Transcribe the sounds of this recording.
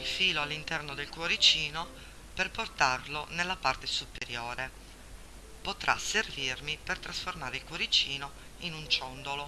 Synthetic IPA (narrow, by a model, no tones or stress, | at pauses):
ilfiːloalːint̪ɛrnod̪elkwoɾit͡ʃiːno | perport̪arlonelːapart̪esupeɾjoːɾe | pot̪ɾʔa̰servirmipert̪ɾasformaːɾeilkwoɾit͡ʃiːno | inunt͡ʃɔnd̪olo